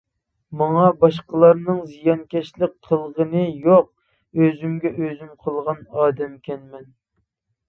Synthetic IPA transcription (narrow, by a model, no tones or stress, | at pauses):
mɑŋɑbɑʃqəlˠɑɾnɨŋzijɑnkʲʰɛʃlɪk̚ʲqʰəlˠʁənɨjoq̚ | øzymɡʲɛʔøzymqʰəlˠʁɑnɑːd̪ɛmkʲʰɛnmɛn